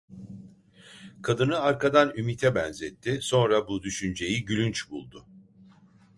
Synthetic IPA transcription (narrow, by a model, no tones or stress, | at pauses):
kʰad̪ɯnɯaɾkʰad̪anymit̪ʰɛbɛnzɛt̪ʰːɪso̞nɾabud̪yʃynd͡ʒe̞jiɟylʲynt͡ʃbulˠd̪ʊ